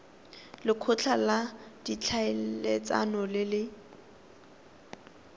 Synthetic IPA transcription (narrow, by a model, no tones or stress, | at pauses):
lɪkʰʊt͡ɬʰalad̥it͡ɬʰaɪlet͡sʼa̰nɔlɪlɪ